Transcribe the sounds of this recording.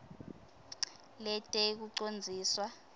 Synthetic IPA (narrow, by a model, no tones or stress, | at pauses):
lɛtʼɛk̬uǀond͡zʱiːswa